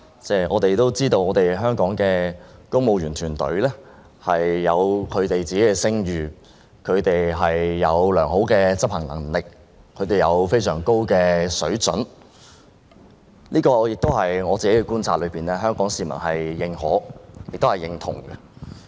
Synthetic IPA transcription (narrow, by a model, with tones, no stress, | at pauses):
t͡sɛː˥ʔɔ̰ː˨˧t̪e˨jt̪o˥wt͡siː˥t̪o˧wɔː˨˧t̪e˨˩jɦœː˥ŋkɔː˨˥ŋkɛː˧kʊ˥ŋmo˨˧wjyː˨˩nt̪ʰyː˨˩nt̪ɵ̰˨˥ɥlɛː˥ | hɐ˨jːɐ˨˧wkʰɵ˨˧ɥt̪e˨jt͡siː˨ke˨˥kɛ˧sɪ˥ŋjyː˨˩ | kʰɵ˨˧ɥt̪e˨jɦɐ˨jːɐ˨˧wlœː˨˩ŋɦo˨˥wkɛː˧t͡sɐ˥p̚hɐ˨˩ŋlɐ̰˨˩ŋlɪ˨k̚ | kʰɵ˨˧ɥt̪e˨jɐ˨˧wfe˥jsœː˨˩ŋko˥wkɛː˧sɵ˨˥ɥt͡sɵ̰˨˥n | liː˥kɔː˧jɪ˨k̚t̪o˥wɦɐ˨jŋɔː˨˧t͡si˨ke˨˥kɛ˧kuː˥nt͡sʰaː˧t̚lɵ˨˧ɥpiː˨˩nlɛː˥ɦœː˥ŋkɔː˨˥ŋsiː˨˩mɐ̰˨˩nhɐ˨jːɪ˨˧ŋhɔ̰˨˥jɪ˨kt̪hɐ˨˩jɪ˨ŋt̪ʰʊ̰˨˩ŋɡɛ˧